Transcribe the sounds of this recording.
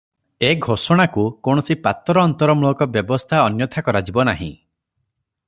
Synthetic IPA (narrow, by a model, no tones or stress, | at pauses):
eɡʱosɔɽ̃akukɔɽ̃ɔsipat̪ɔɾɔːnt̪ɔɾɔmuɔkɔbjɔbɔst̪ʰaɔnjɔt̪ʰakɔɾad͡ʒibɔnaɦḭ̃